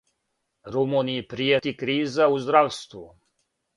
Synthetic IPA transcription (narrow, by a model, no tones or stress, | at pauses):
ɾɔmunijipɾijɛt̪ikɾiːzauzd̪ɾawst̪ʋu